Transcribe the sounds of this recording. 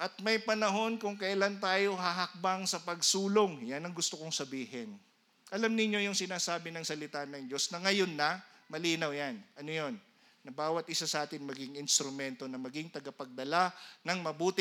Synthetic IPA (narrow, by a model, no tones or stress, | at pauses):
ʔɐt̪̚mɐjpɐnɐɦo̞nkʊŋkɐʔlant̪aːjo̞hɐɦɐk̚baŋsɐpɐɡsuːloŋjanɐŋɡʊst̪okoŋsɐbiːɦɛn | ʔɐlamnɪɲjo̞jʊŋsɪnaːsaːbɪnɐŋsɐlɪt̪anɐŋd͡ʒo̞snɐŋɐjo̞nːɐ | mɐliːnɐwjanɐno̞jo̞nː | ɐbaːwɐt̪ʔɪsasɐʔaːt̪ɪnmɐɡɪŋɪnst̪ɾʊmɛnt̪o̞nɐmɐɡɪŋt̪ɐɡɐpɐɡ̚d̪ɐlanɐŋmɐbuːt̪ɪ